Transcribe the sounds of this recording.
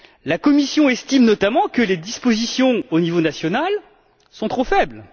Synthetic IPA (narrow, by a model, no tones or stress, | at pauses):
lakɔmisjɔ̃ɛst̪imnɔt̪amɑ̃kəled̪ispozisjɔ̃onivonasjɔnal | sɔ̃t̪χofɛbl